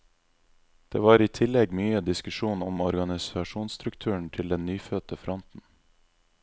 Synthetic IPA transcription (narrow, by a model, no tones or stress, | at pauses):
d̪̥ḛːʋɑːɾiːt̪ʰɪlɛɡmyːəd̪ɪskʉʃuːnɔmɔɾɡɑnɪsɑʃuːnst̪ɾʉkt̪ʰʉːəɳ̩t̪ʰɪld̪ɛnnyːfœt̪əfɾɔnt̪n̩